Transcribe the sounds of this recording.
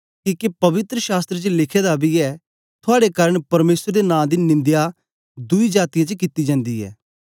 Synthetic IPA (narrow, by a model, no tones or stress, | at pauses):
kiːkepɐʋɪt̪ɾəʃaːst̪ɾet͡ʃəlɪkʰeːd̪abiɛː | t̪ʰʊaːɽekaːɾəɳpɐɾmeːsəɾəd̪enãːd̪inɪ̃nd̪ja | d̪ʊid͡ʒaːt̪ijãt͡ʃəkɪt̪id͡ʒãːnd̪iːɛ̰ː